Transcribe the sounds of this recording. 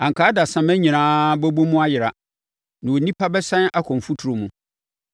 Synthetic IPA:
ã˨ŋ̩˨kʰaː˨˦da˨sã˨mɛ̃˦ɲĩ˨ãː˦bo˦bo˦mũ˦a˦jɪ˨ɾa˨ | nã˨wo˨nĩ˦pʰa˦bɛ˦sã˦na˦kʰɔ̃˨m̩˨fu˦tʰu˨ɾo˨mũ˦

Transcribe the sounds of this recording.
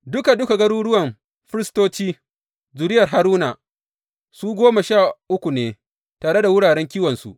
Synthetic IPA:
dʊ˦ka˨dʊ˦ka˨ɡɐ˦ɽuː˦ɽʊ˦wɐ˨m | ɸɪ˦ɾɪ˦stoː˦t͡ʃiː˦ | zʊ˨ɾɪ˦jɐ˨rɦa˦ɾuː˦na˨ | suː˦ɡʷoː˦ma˨ʃaː˦˨ʔʊ˦kʷu˨neː˦ | taː˨ɽe˦da˨wʊ˦ɽaː˨ɽɛ˦ŋkʲiː˦wɐ˨nsṵ˨ʔ

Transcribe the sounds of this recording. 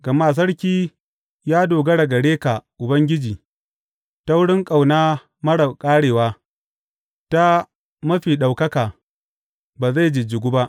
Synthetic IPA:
ɡ̥ɐ˨maː˦˨s̬ɐ˦ɽkʲiː˦ | jaː˦doː˨ɡɐ˦ɽɐ˨ɡɐ˨ɽeː˦ka˨ʔʊ˨bɐ˦ŋɡʲɪ˦d͡ʒiː˨ | ta˦wʊ˦ɽɪ˦ŋkʼa˨wnaː˦ | mɐ˦ɽɐ˨kʼaː˦ɽeː˨waː˦ | ta˦ | mɐ˦ɸiː˨ɗa˨wkɐ˦kaː˨ | baː˨za˦˨jd͡ʒɪ˨d͡ʒɪ˨ɡʷu˦ba˦ʔ

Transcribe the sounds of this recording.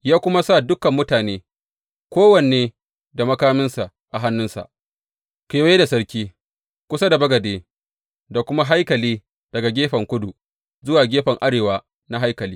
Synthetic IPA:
jaː˦kʷʊ˦ma˦sa˦˨dʊ˦kɐ˨mːʊ˦taː˨neː˦ | kʷoː˦wɐ˨neː˦ | da˨mɐ˦kaː˦mɪ˦nsa˨ʔ | ʔa˨ɦa˦nːʊ˦nsa̰˨ʔ | kʷe˨˦jeː˦da˨sɐ˦ɾkʲiː˦ | kʷʊ˦sa˦da˨bɐ˦ɡɐ˨deː˨ | da˨kʷʊ˦ma˦ɦa˦jkɐ˨liː˦ | d̥ɐ˨ɡa˨ɡʲeː˦ɸɐ˨ŋkʷʊ˦du˨ | zʊ˦waː˨ɡʲeː˦ɸɐ˨ŋʔa˦ɽeː˨waː˦ | na˦ɦa˦jkɐ˨liː˦

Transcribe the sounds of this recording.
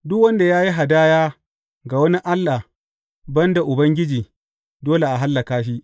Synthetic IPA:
dʊ˦k̚wɐ˦nda˨jaː˦ji˦ɦa˨daː˦jaː˦ | ɡa˨wɐ˦ni˦ʔa˦lːa˨ | bɐ˦nda˨ʔʊ˨bɐ˦ŋɡʲɪ˦d͡ʒiː˨ | doː˦le˨ʔa˨ɦa˦lːa˨kaː˦ʃi˦ʔ

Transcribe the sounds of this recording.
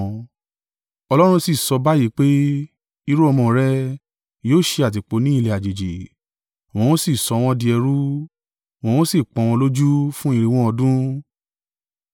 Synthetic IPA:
ɔ˧lɔ˦ɾ̃ũ˧si˨sɔ˧ba˦ji˨˦k͡pe˦ | i˦ɾo˦ɔ˧mɔ̃˧˨˦ɾɛ˦ | joː˦˨ʃe˧a˨t̬i˨k͡po˨˧˦nĩ˦i˧le˨a˨d͡ʒe˨d͡ʒe˨ | w̃ɔ̃˧w̃ɔ̃˦si˦˨sɔ˨˧w̃ɔ̃˧di˧ɛ˧ɾu˦ | w̃ɔ̃˧w̃ɔ̃˦si˦˨k͡pɔ̃˧w̃ɔ̃˧lo˦d͡ʒu˦fũ˦i˦˧˨ɾi˧w̃ɔ̃˧˦ɔ˧dũ˦

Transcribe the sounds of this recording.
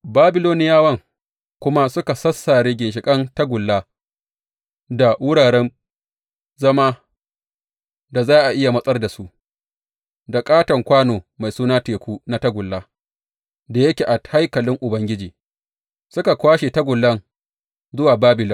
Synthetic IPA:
baː˦bɪ˦˨loː˦nɪ˦jaː˦wɐ˦ŋ | kʷʊ˦ma˦sʊ˦ka˨sɐ˦sːaː˨ɾeː˦ɡʲɪ˨nʃ̬ɪ˨kʼɐ˦ntɐ˦ɡʷʊ˨lːaː˦ | da˨wʊ˦ɽaː˨ɽɛ˦n | zɐ˦maː˦ | da˨zaː˦ʔa˨ʔɪ˦ja˨mɐ˦sʼɐ˦rda˨su˦ʔ | da˨kʼaː˦tɐ˨ŋkʷaː˦noː˨ma˨jsuː˦naː˦teː˨kʷuː˦na˦tɐ˦ɡʷʊ˨lːaː˦ | da˨jɐ˦kʲeː˨ʔa˨ha˦jkɐ˨lɪ˦ŋʔʊ˨bɐ˦ŋɡʲɪ˦d͡ʒiː˨ | sʊ˦ka˨kʷaː˦ʃe˨ta˦ɡʷʊ˨lːɐ˦ŋ | zʊ˦waː˨baː˦bɪ˨lɔ˦ŋ

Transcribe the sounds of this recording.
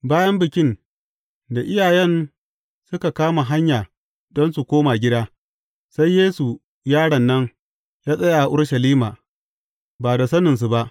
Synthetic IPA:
baː˦jɐ˦mbɪ˨kʲɪ˦n | da˨ʔɪ˦jaː˨jɛ˦n | sʊ˦ka˨kaː˦ma˨ɦa˦ɲjaː˨ | dɔ˦nsu˨kʷoː˦ma˨ɡʲɪ˦daː˦ | sa˦jːeː˦su˨ | jaː˦ɽɐ˨nːɐ˦ŋ | jaː˦sʼɐ˦ja˨a˨ʔʊ˦ɽʃɐ˨liː˦maː˨ | baː˨da˨sɐ˦nɪ˨ns̬u˨ba˦ʔ

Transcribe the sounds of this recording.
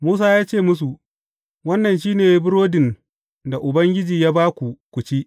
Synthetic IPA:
muː˦saː˦jaː˦t͡ʃeː˦˨mʊ˦s̬u˨ | wɐ˦nːɐ˨nʃiː˦neː˨jbʊ˦ɾoː˦dɪ˨n | da˨ʔʊ˨bɐ˦ŋɡʲɪ˦d͡ʒiː˨jaː˦baː˦kʷu˨kʷʊ˨t͡ʃi˦ʔ

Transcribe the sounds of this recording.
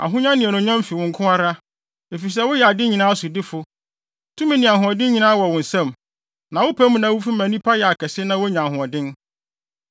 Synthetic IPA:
a̰˨ɦʊ̃˦ɲã˦nɪ̃˨ɛ˨nʊ̃˨˦ɲã˦m˦fi˨wʊ̃˨ŋ̩˨kʰʊ̃˦a˦ɾa˦ | e˨fi˨s̬ɛ˦wʊ˦jɛ˨a˨dɪ˦ɲĩ˨nãː˦a˦sʊ˨dɪ˦fʊ˨ | tʰũ˦mĩ˨nɪ̃˨a˨ɦʊ̃˨ɔ˨dɪ̃˦ɲĩ˨nãː˦wɔ˨wʊ̃˨n̩˨sã˦˨m | nã˨wʊ˦pʰæ˦mũ˨nã˨˦wʊ˦fi˦mæ̃˨nĩ˦pʰa˦jɛ˨a˨kʰɛ˨sɪ˦nã˦wʊ˦ɲã˨ɦʊ̃˨ɔ˨dɪ̃˦n

